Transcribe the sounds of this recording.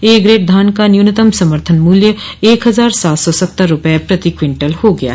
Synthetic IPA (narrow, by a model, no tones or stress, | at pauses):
eːɡɾeːʈ̚d̪ʱaːnkanjunət̪əmsɐməɾt̪ʰənmuːljəeːkɦɐzaːɾsaːt̪sɔsɐpt̪ːəɾːʊpəjepɾɐt̪ikwɪ̃ɳʈəlhoɡɐja̰